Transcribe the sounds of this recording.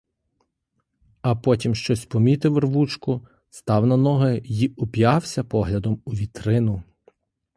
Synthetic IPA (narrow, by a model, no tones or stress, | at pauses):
ɐpɔtʲimʃt͡ʃɔsʲpɔmʲit̪ɪwrʋut͡ʃkʊ | st̪ɑwnɐnɔɦɪjiʊpʲjɑwsʲɐpɔɦlʲɐd̪ɔmʊʋʲit̪ɾɪnʊ